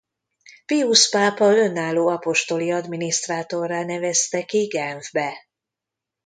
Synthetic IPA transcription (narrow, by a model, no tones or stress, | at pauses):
piuʃpaːpɒlø̞nːaːlːoːɒpo̞ʃt̪o̞liɒd̪miniʃt̪raːt̪o̞rːaːnɛvɛst̪ɛkiɡɛɱvbɛ